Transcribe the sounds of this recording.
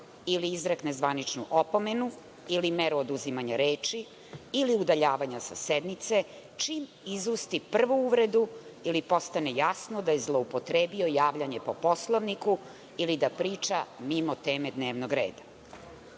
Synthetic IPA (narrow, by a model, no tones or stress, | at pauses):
iliizɾeknezʋanit͡ʂnuʔopo̞me̞nu | ilimeɾuod̪uzimaɲaɾeːt͡ʃi | iliud̪aʎaːʋaɲasa̰sed̪nit̪se̞ | t͡ʃim | izust̪ipr̩ʋuuʋɾe̞d̪uilipo̞st̪anejasnod̪ajezlˠoupo̞t̪ɾeːbio̞jaːʋʎaɲe̞po̞po̞slˠoʋniku | ilid̪apɾiːt͡ʂamimot̪e̞ːmed̪neːʋnoɡɾeːd̪a